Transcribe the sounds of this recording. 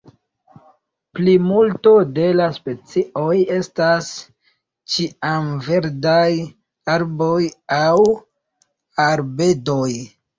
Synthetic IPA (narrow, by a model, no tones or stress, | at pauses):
plimulto̞de̞laspe̞t͡sio̞je̞stas | t͡ʃiamve̞ɾdaj | aɾbo̞jaw | aɾbe̞do̞j